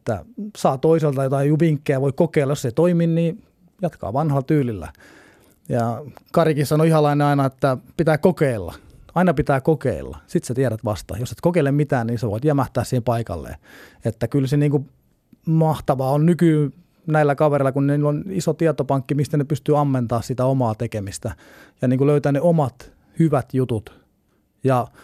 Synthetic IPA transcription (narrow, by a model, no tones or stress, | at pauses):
t̪ːæ̰sɑːt̪oiselt̪ɑjot̪ɑijuʋiŋkːeæʋoikkokeˑilːɑjosːeit̪oiminniː | jɑt̪kɑ̰ːʋɑnhɑlt̪yːlilːæ̰ | jɑkɑrikissɑnoihɑlɑineɑinɑet̪ːæpit̪æːkokeilːɑ̰ɑinɑpit̪æːkokḛilːɑ̰sit̪sæt̪iæɾæt̪ʋɑ̰st̪ɑ̰joset̪kokeilemmit̪æːnniːnseʋo̰it̪jæmæht̪æːssiːhempɑikɑ̰lːḛːet̪ːækylseniːŋku | mɑht̪ɑʋɑːonnykyː | næilːækɑʋereilːˑɑkunniːlonisot̪iɑt̪opɑŋkːimist̪ænepyst̪yːɑmːent̪ɑːssit̪æomɑːt̪ekemist̪æ | jɑniːŋkuløyt̪æːneomɑt̪ | hyʋæt̪jut̪ut̪ | jɑ